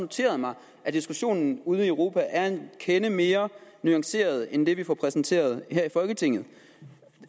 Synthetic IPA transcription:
no̝t͡sʰe̝̰ːɐð̞̩ˠmɑ̈ɪ | ʔæd̥isɡ̥uɕo̝̰ːnn̩uːð̞̩ˠiøʊʁo̝ːpʰæʔæɐenkʰenəme̝ːɐnyɑ̈ŋse̝̰ːɐð̞̩ˠend̥e̝ʋifɒpʰʁɛsn̩t͡sʰe̝̰ːɐð̞ˠheɐ̰ifɒ̽lɡ̥ət͡sʰe̝ŋ̰ð̩ˠ

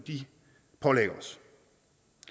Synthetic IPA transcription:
d̥i | pʰɒ̽leɡ̥ɐɒs

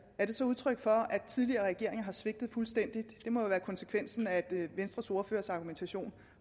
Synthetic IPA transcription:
æɐd̥e̝sɒ̽uð̞ˠt͡sʰʁœɡ̥fɒ̽æ̥t͡sʰið̞ˠliɐːʁɛɡ̥e̝ɐ̰eŋɐɦɑ̈sʋe̝ɡ̥d̥ð̩ˠfulsd̥en̰d̥id̥d̥e̝mɒ̽jo̝ʋæːɐkʰɒ̽nse̥kʰʋen̰sn̩æd̥ʋensd̥ʁɐsoːɐfø̰ːɐsɑ̈ɡ̥ument͡sʰæɕo̝̰ːn

